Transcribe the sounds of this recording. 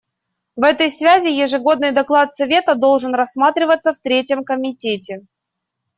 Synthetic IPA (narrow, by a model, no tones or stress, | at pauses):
vɛt̪əjsvʲæzʲɪjɪʐɨɡo̞d̪nɨjd̪ɐklˠat̪sɐvʲe̞t̪əd̪o̞lˠʐɨnrɐsmat̪ɾʲɪvət̪sːəft̪ɾʲetʲjəmkəmʲɪtʲetʲɪ